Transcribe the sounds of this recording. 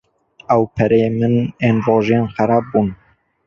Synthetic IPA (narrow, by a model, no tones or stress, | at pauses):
ɛwpʰɛɾɛjemɨneːnroːʒeːnxɛɾɑːb̚buːn